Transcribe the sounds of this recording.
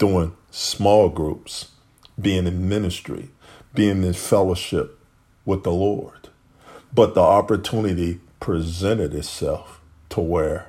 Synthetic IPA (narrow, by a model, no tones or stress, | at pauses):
d̥uɪ̃ŋ | smɔlˠɡɹups | b̥iɪ̃ŋɨ̃nmɪ̃nɨstɹ̥ḭ | b̥iɪ̃ŋɨ̃nfɛlˠoʊʃɪp̚ | wəðəlɔɹd̥ | bʌt̪̚ðiɑpə˞tʰunɨɾipʰɹ̥izɛ̃ɾ̃ɨɾɨtsɛ̰lˠf | tʰəwɛ˞